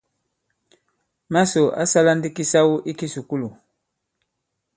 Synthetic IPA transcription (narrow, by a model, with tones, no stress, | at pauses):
ma˦so˨ʔa̰˦sa˦la˦ndi˦ki˦sa˦wu˦ʔi˦ki˦su˨ku˦lu˨